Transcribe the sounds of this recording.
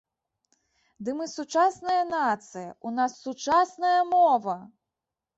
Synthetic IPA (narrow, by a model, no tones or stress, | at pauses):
d̪ɨmɨsut͡ʂasnɐjɐnat̪sɨjɐ̰unasːut͡ʂasnɐjɐmɔvɐ